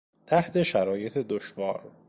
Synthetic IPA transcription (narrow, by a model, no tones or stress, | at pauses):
t̪ʰæht̪ʰe̞ʃæɾɒːje̞t̪ʰe̞d̪oʃvɒːɾ